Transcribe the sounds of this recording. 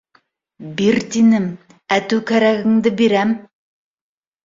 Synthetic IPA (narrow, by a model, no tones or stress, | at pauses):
biɾt̪inɘm | æt̪ʉwkæɾæɣɘ̆ŋd̪ɘbiɾæm